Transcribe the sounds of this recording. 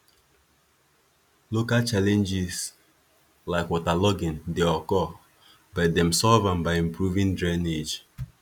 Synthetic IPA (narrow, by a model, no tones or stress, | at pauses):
lokalt͡ʃalɛ̃nd͡ʒɪs | laɪkwɔtalɔɡɪ̃ndeɔkɔ | badɛ̃msɔvãmbaɪĩmpɹuvĩndɹɛned͡ʒ